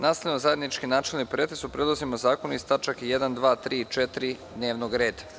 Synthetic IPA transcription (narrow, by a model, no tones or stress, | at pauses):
naːsenozaje̞d̪nit͡ʃkinaːt͡ʃelnipɾet̪esupɾe̞d̪ozimozaːkonist̪at͡ʃakjed̪and̪ʋaːt̪ɾiːt͡ʃe̞t̪ɾi | d̪ne̞ːʋnoɡɾe̞ːd̪a